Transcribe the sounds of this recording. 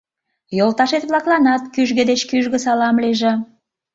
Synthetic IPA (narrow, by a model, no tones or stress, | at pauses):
jolt̪ɑʃet̪βlɑklɑnɑt̪kyʒɣĕd̪et͡ɕkyʒɣə̆sɑlɑmliʒĕ